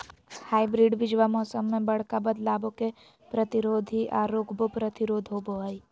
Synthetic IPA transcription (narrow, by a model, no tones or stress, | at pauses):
haːibɾiːɖbɪd͡ʒʋamɔːsəmːẽbɐɽ̤kabəd̪laːbõke | pɾət̪ɪɾoːd̪ʱiʔaːɾoːkʰbopɾət̪ɪɾoːd̪ʱɦoboɦəi